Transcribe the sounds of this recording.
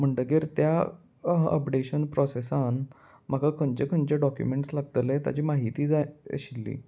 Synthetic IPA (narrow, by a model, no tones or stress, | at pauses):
m̤əɳɖəɡeɾt̪ja | ə̰pɖeɕənpɾɔsesan | m̤əkakʰəɲt͡ɕekʰənt͡ɕeɖɔkjṵmeɳʈslaɡ̚t̪əlet̪ja̰t͡ɕiːmaɦit̪iːd͡za̰ɕilːḭː